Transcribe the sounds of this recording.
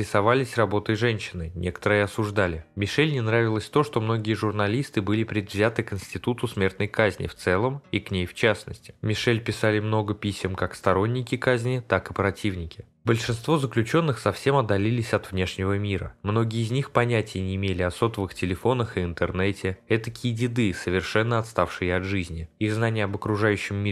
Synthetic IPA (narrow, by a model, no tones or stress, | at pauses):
ɾʲɪsɐvalʲɪsʲrɐbo̞t̪əjʐɛnʲɕːɪnɨnʲʔekə̥t̪əɾɨjɪɐsʊʐd̪alʲɪmʲɪʂɛlʲnʲɪnɾavʲɪlˠəsʲt̪o̞ʂt̪o̞mno̞ɡʲɪjəʐʊrnɐlʲist̪ɨbɨlʲɪpɾʲɪd̪vzʲat̪ɨkɪnsʲtʲɪt̪ut̪ʊsmʲe̞rt̪̚nəjkazʲnʲɪ̰ft̪sɛlˠəmiknʲejft͡ɕasnə̰sʲtʲɪ̥mʲɪʂɛlʲpʲɪsalʲɪmno̞ɡəpʲisʲɪmkakst̪ɐɾo̞nʲːɪkʲɪkazʲnʲɪt̪akɨpɾɐtʲivnʲɪkʲɪ̥ | bəlʲʂɨnst̪vo̞zəklʲʉt͡ɕo̞nːɨxsɐfsʲe̞mɐd̪ːɐlʲilʲɪsʲɐt̪vnʲe̞ʂnʲɪvəmʲiɾə̰mno̞ɡʲɪəːzʲnʲixpɐnʲætʲɪjənʲɪːmʲelʲɪɐso̞t̪əvɨxtʲɪlʲɪfo̞nəxɨɪnt̪ɨrnɛtʲɪɛt̪əkʲidʲɪd̪ɨsəvʲɪrʂɛnːəɐt̪st̪afʂɨjəɐd̪ʐɨzʲnʲɪiɣznanʲɪjəɐbəkɾʊʐajʉɕːɪmːʲi